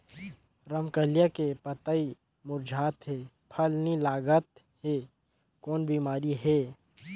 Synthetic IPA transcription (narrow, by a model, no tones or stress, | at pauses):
ɾəmkəlijakepət̪ai | mʊɾd͡ʒʱaːt̪ɦɛː | pʰɐlnilaːɡət̪ | ɦeː | kɔːnbiːmaːɾiɦɛː